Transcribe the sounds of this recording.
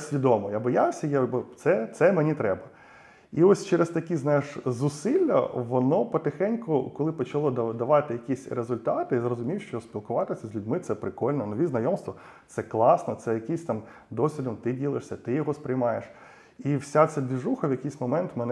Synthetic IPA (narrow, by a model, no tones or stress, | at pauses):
sʲʋʲid̪ɔmɔjabɔjawsʲɐjabɔt̪sɛt̪sɛmenʲit̪ɾɛbɐ | iɔsʲt͡ʃɛɾest̪ɐkʲiznɑjɪʂzʊsɪlʲːɐ̰ʋɔnɔpɔt̪ɪxɛnʲkʊkɔlˠɪpɔt͡ʃɐlˠɔd̪d̪ɐʋɑt̪ɪjɐkʲisʲɾezʊlʲt̪ɑt̪ɪizrɔzʊmʲiwʃt͡ʃɔsʲpʲilˠkʊʋɑt̪ɪsʲɐzʲlʲʊdʲmɪt̪sɛpɾɪkɔlʲnɛnɔʋʲiznɐjɔmst̪ʋɔ | t̪sɛklˠɑsnɔt̪sɛjɐkisʲt̪ɑm | d̪ɔsʲʋʲid̪ɔmt̪ɪdʲilˠɪʂsʲɐt̪ɪjɔɦɔspɾɪjmɑjeʃ | iwsʲat̪sɛbʲiʐuxɐʋjɐkʲijsʲmɔmɛnt̪mɛnɛ